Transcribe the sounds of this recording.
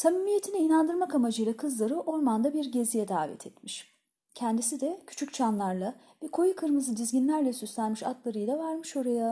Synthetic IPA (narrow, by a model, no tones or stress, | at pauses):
t̪ʰamimije̞t̪ʰiniːnand̪ɯɾmakamad͡ʒɯjlˠakʰɯzlˠaɾɯʔo̞ɾmand̪abiɾɟe̞zijɛd̪aːvɛ̰t̪ʰɛt̪miʃ | cʰɛnd̪isid̪ɛcʰy̥t͡ʃʰyc̚t͡ʃʰanlˠaɾlˠa | bikʰo̞jukʰɯɾmɯzɯd̪izɟinlʲæɾlʲɛsyslʲænmiʃa̰t̪lˠaɾɯjlˠavaɾmɯʃo̞ɾaja